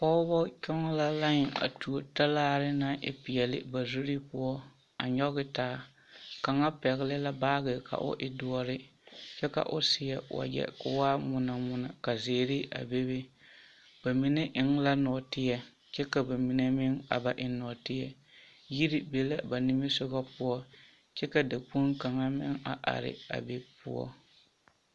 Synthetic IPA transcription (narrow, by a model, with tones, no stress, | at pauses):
pɔ˦bɔ˦t͡ʃɔ˦ŋɔ˦la˦la˦ɲ˨a̰˨tu˨o˨ta˦laː˦ɾɪ˦na˦ʔɪ̰˦pɪ˨jɛ˨lɪ̰˦ba˨zu˦ɾi˦pʊ˦ɔ˦ | a̰˨ɲɔ˦ɣɪ˦taː˦ | ka˨ŋa˦pɛ˨ɣɪ˦lɪ˦la˦baː˦ɣɪ˨ka̰˨ʔʊ̰˦ʔɪ˦dʊ˦ɔ˦ɾɪ˦t͡ʃɛ˦ka̰˨ʔʊ̰˦sɪ˨jɛ˨wa̰˨d͡ʒɛ̰˨kʊ˨waː˦mʊ˨na˨mʊ˦na˨ka˨zeː˨ɾɪ˦a̰˨be˦be˦ | b̥a˨mi˦ne˦ʔɪ˨ŋla˦nɔ˨tɪ˦jɛ˨ | t͡ʃɛ˦ka˨ba˨mi˨ne˦mɪ˦ŋa̰˨ba˨ʔɪ˦nɔ˨tɪ˦jɛ˦ | ji˦ɾi˦be˦la˦ba˨ni˦mɪ˦sʊ˦ɣa˦pʊ˦ɔ˦ | t͡ʃɛ˦ka˨da˨k͡pu˦nka˨ŋa˦mɪ̰˦ŋa̰˨ʔa̰˨ɾɪ̰˨a̰˨be˦pʊ̰˦ɔ̰˦